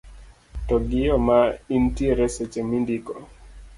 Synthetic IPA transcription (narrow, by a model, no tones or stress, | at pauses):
tɔɡɪjɔmaintieɾɛsɛt͡ʃemindikɔ